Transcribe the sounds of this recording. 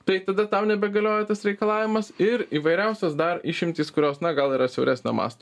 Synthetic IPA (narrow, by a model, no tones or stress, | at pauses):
t̪ɐɪt̪ɐd̪ɐt̪ɑʊnʲɛbʲɛɡɐlʲoːjɛt̪ɐsɾʲɛɪkɐlˠɑːʋʲɪmɐsɪɾiːʋɐɪɾʲɛˑʊsʲɛsd̪ɐɾɪʃʲɪmʲt̪ʲiːskʊɾʲoːsnɐɡɐlˠiːɾɐsʲɛʊɾʲæːsʲnʲo̰ːmɑ̰ːst̪oː